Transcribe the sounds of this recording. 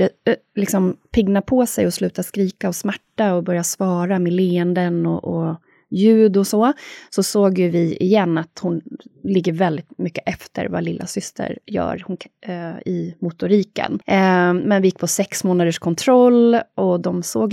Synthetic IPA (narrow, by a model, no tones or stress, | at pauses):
lɪksɔmpʰɪɡnapʰɔsɛjɔslʉ̟ːt̪askɾiːkaɔsmæʈːaɔbœɾjasvɑːɾameleːənd̪ənɔʔɔ | jʉ̟ːd̪ʊsoːsɔsoːɡjɵvɪɪjɛnːat̪hʊnlɪɡːəɾvɛld̪ɪt̪mʏkːəʔɛft̪ʰə̰ɾva̰lɪlːʔa̰sʏst̪ʰə̰ɾjœ̰ːɾhʊn | ɪmʊt̪ʊɾiːkə̰nmɛnvɪjɪk̚ːpʰɔsɛksmoːnad̪əʂkʰɔnt̪ʰɾɔlːʔɔd̪ɔmsoːɡ